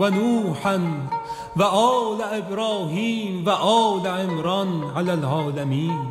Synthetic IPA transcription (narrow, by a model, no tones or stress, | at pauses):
wanuːħan | waʔɑːlaʔɪbɾɑːɦiːmwaʔɑːlaʕɪmɾɑnʕalalʕɑːlamiːn